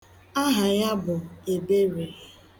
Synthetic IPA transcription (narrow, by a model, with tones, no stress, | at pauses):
a˦ɦa˨ja˦bʊ˨e˨be˦ɾe˨